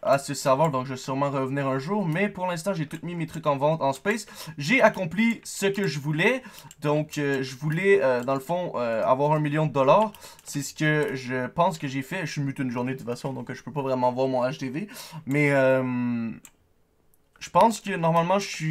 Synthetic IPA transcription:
asəsavwaʁd̪ɔ̃kʒəsyʁmɑ̃ʁəvniːʁɛ̃ʒuːʁmɛpuʁlɛ̃s̬t̪ɑ̃ʒet̪ut̪mimet̪χykɑ̃vɑ̃t̪ɑ̃spɛsʒeakɔ̃plisəkəʒəvulɛd̪ɔ̃køʒəvulɛød̪ɑ̃ləfɔ̃øa̰vwaʁɛ̃miljɔ̃d̪əd̪ɔlaːʁ | sɛsə̥kʲəʒəpɑ̃skəʒefɛymyt̪ynʒuʁnet̪əfasɔ̃d̪ɔ̃kʒəpøpavʁɛmɑ̃vwaːʁmɔ̃naʃd̪evemɛøm | ʒ̥əpɑ̃skʲənɔʁmalmɑ̃ʒəsɥi

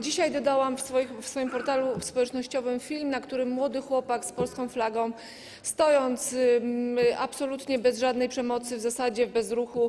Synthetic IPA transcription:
d͡ʑiɕajd̪ɔd̪awamfsfɔfsfɔjimpɔɾt̪alufspɔwɛt͡ʂnɔɕt͡ɕɔvɘmfʲilmnakt̪uɾɘmːwɔd̪ɘxwɔpakspɔlskɔ̃w̃flaɡɔ̃w̃ | st̪ɔjɔnt̪s | apsɔlut̪ɲɛbɛzʐad̪nɛjpʂɛmɔt̪sɘvzasad͡ʑɛvbɛzɾuxu

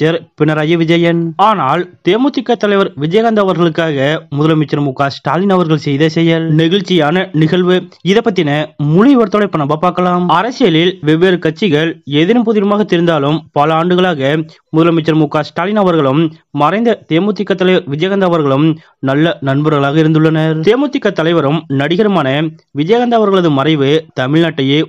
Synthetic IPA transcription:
t͡ʃːɐɾpɪɳɐɾaːjɐʋɪd͡ʒɐjɐnaːnaːlt̪eːmʊt̪ːɪkːɐt̪ːɐlɐɪʋɐɾʋɪd͡ʒɐjɐɣɐnd̪aʋɐɾɣɐɭɯkːaːɣɐmʊðɐlɐmɪt͡ʃːɐɾmuːkːaːsʈaːlɪnɐʋɐɾɣɐɭsɛjðɐsɛjɐlnɪɣɐɭt͡ʃːɪjaːnɐnɪɣɐɭʋɯɪðɐpːɐʈ̪ːɪnɐmʊɻɪʋɐɾt̪ːɔɭɐɪpːɐɳɐmbaːpaːɾkɐlaːmɐɾɐsɪjɐlɪlʋɛʋeːɾɯkɐt͡ʃːɪɣɐɭeðɪɾɯmpʊðɪɾɯmaːɣɐt̪ːɪɾɯnd̪aːlɯmpɐlɐaːɳɖɯɣɐɭaːɣɐ | mʊðɐlɐmɪt͡ʃːɐɾmuːkːaːsʈaːlɪnɐːʋɐɾɣɐɭɯmːɐɾɐɪnd̪ɐt̪eːmʊt̪ːɪkːɐt̪ːɐlɐɪʋɐʋɪd͡ʒjɐɣɐnd̪aːʋɐɾɣɐɭɯm | nɐlːɐnɐnbɐɾɣɐɭaːɣɐɪɾɯnd̪ɯɭːɐnɐɾt̪eːmʊt̪ːɪkːɐt̪ːɐlɐɪʋɐɾɯmnɐɽɪɣɐɾɯmaːnɐʋɪd͡ʒɐjaɣɐnd̪aːʋɐɾɣɐɭɐðɯmɐrɐɪʋɯt̪ɐmɪɭnɐʈːɐjeː

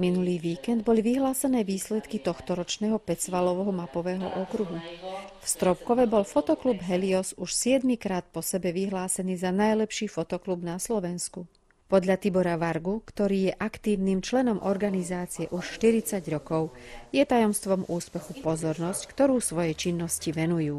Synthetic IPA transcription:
minuliːʋiːkɛnd̪bɔliʋiɦlaːsɛnɛːʋiːslɛt̪kit̪ɔxt̪ɔɾɔt͡ʃnɛːɦɔpɛt͡sʋalɔʋɛɦɔmapɔʋɛːɦɔ̰ʔɔkɾuɦufst̪ɾɔp̚kɔʋɛbɔlfɔt̪ɔklubɦɛliɔsuʃsɪɛd̪mikɾaːt̪̚pɔsɛbɛʋiɦlaːsɛniːzanajlɛpʃiːfɔt̪ɔklubnaslɔʋɛnsku | pɔd̪ʎat̪ibɔɾaʋaɾɡukt̪ɔɾiːjɛʔakt̪iːʊniːmt͡ʃlɛnɔmʔɔɾɡanizaːt͡siɛʔuʃʃt̪iɾit͡saɟɾɔkɔʊjɛt̪ajɔmst̪ʋɔmuːspɛxupɔzɔɾnɔsckt̪ɔɾuːsʋɔjɛt͡ʃinːɔsciʋɛnujuː

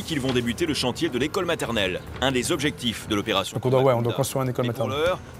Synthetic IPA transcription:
kilvɔ̃d̪ebyt̪eləʃɑ̃t̪jed̪əlekɔlmat̪ɛʁnɛl | ɛ̃d̪ezɔbʒɛk̚t̪ifd̪əlɔpeʁasj̃d̃kɔ̃d̪wawɛɔ̃d̪wakɔ̃st̪χĩɛ̃nekɔlmat̪ɛʁlœʁ

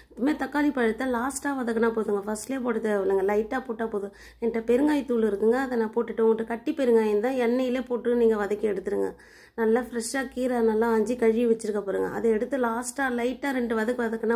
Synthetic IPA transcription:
pːɐmeːt̪ɐkːaːlipːaːɛɽɯt̪ːaːlaːsʈaːʋɐðɐkːɐnaːpoːðɯŋɡɐfɐsʈleːpoːʈɯt̪ːɐʋɐlɯŋɡɐlɐɪʈːaːpoːʈːaːpoːðɯ̃ | ɛnʈːɐpɛɾɯŋɡaːjt̪ːuːɭɪɾɯkːɯŋɡɐːðɛnãːpoːʈːɪʈːɯʊŋɡɐʈːɯkɐʈːipɛɾɯŋɡaːjɪnd̪ãːɛnːɐjɪleːpoːʈːɯniːŋɡɐʋɐðɐkːɯɛɽɯt̪ːɯɾɯŋɡɐ̰ | nɐlːafɪɾɐʂaːkiːɾaːnɐlːãɐɲd͡ʒikɐɻːiʋɐt͡ʃːɪɾɯkːɐpoːɾɯŋɡɐ̰ʔɐ̰ðɐɛɽɯt̪ːɯlaːsʈaːlɐɪʈːaːɾɛɳɖɯʋɐðɐkːɯʋɐðɐkːɐnaː

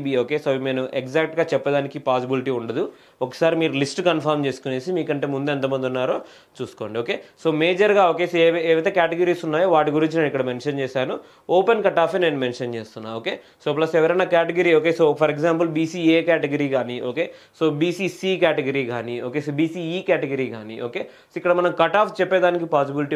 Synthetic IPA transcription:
bioːkeːsoːme̞ːnuʔekzaːk̚ʈɡaːt͡ʃɛpːɐd̪aːnikipaːs̬ibiliʈiːuɳɖɐd̪u | ɔkːɐ̥saːɾimiːɾulisʈkɐnpʰɐɾmt͡ʃe̞ːsu̥kune̞ːsimiːkɐɳʈeːmund̪uɐnt̪̬ɐmɐnd̪unːaːɾoː | t͡ʃuːsu̥ko̞ːɳɖioːkeːsoːme̞ːd͡ʒɐɾɡaːo̞ːke̞ːsʋeːʋɐt̪eːkaːʈeɡɐɾiːsunːaːjoːʋaːʈiɡuɾiɲt͡ʃinɐikːɐɽɐmenʃɐnt͡ʃeːsaːnu | oːpenkɐʈaːpʰeːneːnumenʂɐnt͡ʃeːst̪unːa̰oːkeː | soːplɐsɛʋɐɾɐjnaːkaːʈeɡɐɾiːoːke̞ːsoːpʰɐɾeɡzaːmpɐlbiːsiːeːkaːʈeɡɐɾiːkaːniːʔo̰ːkeːsoːbiːsiːsiːkaːʈeɡɐɾiːkaːniːoːkeːsoːbiːsiːiːkaːʈeɡɐɾiːka̰ːnḭːʔoːkeːsoːikːɐɽɐmɐnɐmkɐʈaːpʰt͡ʃɛpːeːd̪aːnik̬ipaːs̬ibiliʈi

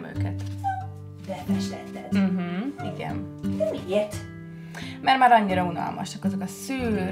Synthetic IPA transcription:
mø̰ːkɛt̪ | bɛmɛʃlɛt̪ːɛɦm̩iɡɛ̰n | d̪ɛiɛt̪ | mɛrmaːɾɒɲːiɾɒunɒ̰lmɒ̰ʃɒkɒzokɒsyː

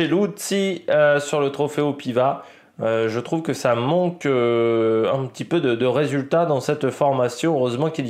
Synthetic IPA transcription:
elut̪siøsyʁlət̪χɔfeopiva | øʒət̪χuvkəsamɑ̃kø | ɛ̃pət̪ipød̪əd̪əʁezylt̪ad̪ɑ̃sɛt̪fɔʁmasjɔ̃øʁøzmɑ̃kil

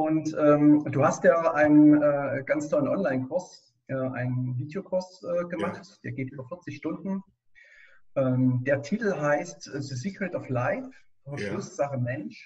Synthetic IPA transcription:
ʔʊntʔɛːmd̥uːhastjaːʔaɪnənɛːɡ̥ant͡stʰɔlənʔɔnlaɪnkʰʊɐs | ʔɛːʔa̰ɪnənviːdjokʰʊɐsʔɛːɡəmaχtd̥eːɐɡeːtʔyːbɐfɪɐt͡sɪçʃtʊndn̩ | ʔɛːmd̥eːɐtʰiːtl̩ɦaɪstʔðəsikətɔflaɪf | ɐʃʊsz̥aχəmɛnʃ

